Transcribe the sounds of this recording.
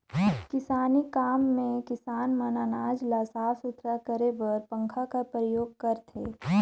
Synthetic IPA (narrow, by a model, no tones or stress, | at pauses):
kɪsaːnikaːmːẽkɪsaːnmənaːnaːd͡ʒlasaːsʊt̪ɾakəɾebəɾpə̃ŋkʰakapɾəjoːɡ̚kɐɾt̪ʰeː